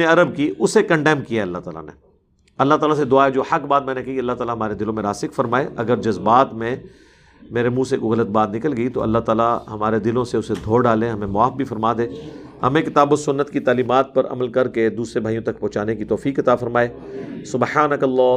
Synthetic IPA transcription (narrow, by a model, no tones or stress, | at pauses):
eɐɾəb̚kiʊsekɐ̃ɳɖɛːmkijaɐlːaɦt̪aːla̰nḛ | ɐlːaɦt̪aːlased̪ʊaːed͡ʒoːhɐkbaːt̪̚mɛ̃ːnekɐɦiɐlːaɦt̪aːlaɦɐmaːɾed̪ɪlõmẽɾaːsɪkfɐɾmaːeʔɐɡəɾd͡ʒɐzbaːt̪mẽ | meːɾemũːsekoɣɐlət̪̚baːd̪nɪkəlɡɐit̪o̰ʔɐ̰lːaɦt̪aːlaɦɐmaːɾed̪ɪlõseʊsed̪ʱoːɖaːlẽɦɐmẽmʊaːfbʱifɐɾmaːd̪ẽː | hɐ̰mẽkɪt̪aːbosʊnːət̪kit̪aːliːmaːt̪̚pɐɾɐ̰məlkɐɾked̪uːsɾebʱaːɦijõt̪ɐk̚pɔ̃ːt͡ʃaːnekit̪ɔːfiːkɐt̪aːfɐɾmaːeː | sʊbħaːnəkɐlːɔː